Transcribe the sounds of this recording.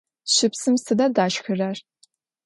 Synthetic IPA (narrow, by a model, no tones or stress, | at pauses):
ɕɪpsɨmsɨdɐdaːʃxɨraːr